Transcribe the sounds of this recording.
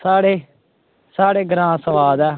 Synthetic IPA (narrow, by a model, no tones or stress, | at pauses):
saːɽeː | saːɽeːɡɾãːsəʋaːd̪ɛː